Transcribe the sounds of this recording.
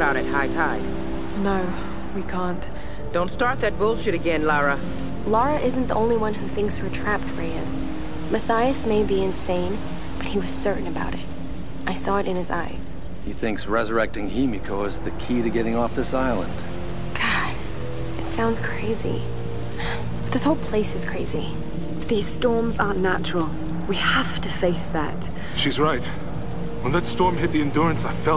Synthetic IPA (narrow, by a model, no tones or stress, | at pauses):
baʊɾɨt̚haɪtʰaɪd̥ | noʊ | wikʰæ̃nt | d̥õʊ̃ntstɑɹt̪̚ðɨt̚b̥ʊlˠʃɨɾɨɡɛ̃nlɑɹə | lɔɹɨʔɪzn̩ðḭʔõʊ̃nliwʌ̃nɦʉθɪ̃ŋkshə˞tʰɹ̥æpfɹiɪz̥ | mɨθaɪɨsmeɪbiɨ̃nsẽɪ̃n | b̥ʌt̚hiwʌz̥sɜ˞ʔn̩ɨbaʊɾɪt̚ | ʔaɪsɔɨɾɨ̃nɨza̰ɪz̥ | hḭθɪ̃ŋksɹɛzə˞ɛk̚tɪ̃ŋhimɨkʰoʊɨzðɨkʰiɾɨɡɛɾɪ̃ŋɔfðɪsaɪlˠə̰̃nd̥ | ɡ̥ɑd̥ | ɨtsãʊ̃ndz̥kʰɹ̥eɪzḭ | ðɪshoʊlˠpʰl̥eɪsɨz̥kʰɹ̥eɪzi | ðiz̥stɔɹmzɑnnæt͡ʃɹl̩ˠ | wihæftɨfeɪsðæ̰t̚ | ʃizɹaɪt̚ | wə̃nðɨtstɔɹmɦɪt̪̚ðiɨ̃ndʊɹɨ̃nsaɪfɛ